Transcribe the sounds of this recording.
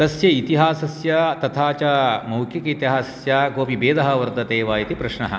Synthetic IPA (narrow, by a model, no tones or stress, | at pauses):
t̪ɐsjɐit̪iɦaːsɐsjɐt̪ɐt̪ʰaːt͡ʃɐmɐwkʰjɐkɐit̪iɦaːsɐsjɐkoːpibeːd̪ɐɦɐʋɐɾt̪ɐt̪eːʋaːjit̪ipɾɐʃɳɐ̰ɦɐ̰